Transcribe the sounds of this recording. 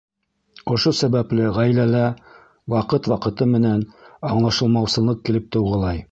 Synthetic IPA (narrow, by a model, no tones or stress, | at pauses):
ŏʃosæβæplɘʁæjlælæ | wɑqɤt̪wɑqɤ̆t̪ɤmɘ̆nænɑɴlˠɑʃɤ̆lˠmɑwsɤ̆lˠɤq̚kilɘp̚t̪ɤ̆wʁɤ̆lˠɑj